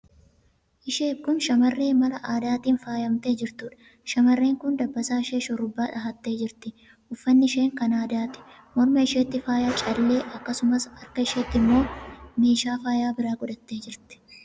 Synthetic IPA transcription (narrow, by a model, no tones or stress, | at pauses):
ʔɪʃe̞ːkʊnʃɐmɐrːe̞ːmɐlɐʔaːd̪aːt̪iːnfaːjɐmt̪eːd͡ʒɪɾt̪uːᶑɐ̥ | ʃɐmɐrːe̞ːŋkʊnd̪ɐbːɐsaːɪʃeːʃɔɾʊbːaːᶑɐɦɐt̪ːe̞ːd͡ʒɪɾt̪ɪ | ʔʊfːɐnːɪɪʃe̞ːŋkɐnaːd̪aːt̪ɪ̥ | mɔɾmɐɪʃeːt̪ːɪfaːjaːt͡ʃʼɐlːe̞ːʔɐkːɐsʊmɐshɐɾkɐɪʃeːt̪ːɪmːo̞ːmeːʃaːfaːjaːbɪɾaːɡʊᶑ̪ɐt̪ːe̞ːd͡ʒɪɾt̪ɪ̥